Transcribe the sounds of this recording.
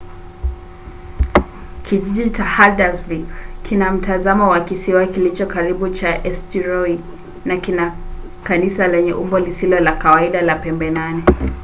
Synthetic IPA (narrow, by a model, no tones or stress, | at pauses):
kʰiʄiʄit͡ʃahadazvikkʰinam̩tazamawakisiwakilit͡ʃɔkaɾiɓut͡ʃaʔɛstiɾɔi | nakina | kanisalɛɲɛʔumbɔlisilɔlakawaiɗalapɛmbɛnanɛ